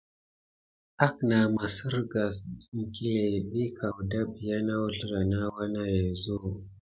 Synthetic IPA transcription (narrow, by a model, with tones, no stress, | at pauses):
a˦k̚na˨ma˨si˦ɾɡa˨sŋ̩˨ki˦le˨bi˦kʰa˨wda˦bi˨ja˦na˦wu˦ɬɾa˨na˦wa˦na˦ja˨zo˦